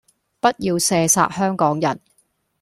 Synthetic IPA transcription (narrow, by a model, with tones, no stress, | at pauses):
pɐ˥t̚jiː˧wsɛː˧sa̰ː˧t̚hœː˥ŋkɔː˨˥ŋjɐ̰˨˩n